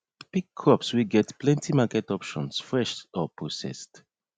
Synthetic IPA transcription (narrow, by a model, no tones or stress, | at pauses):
piɡ̚ʰɹɔpswiɡɛtplɛ̃ntʰimakɛtɔpʃɔ̰̃nsfɹɛʃtɔpʰosɛ̰st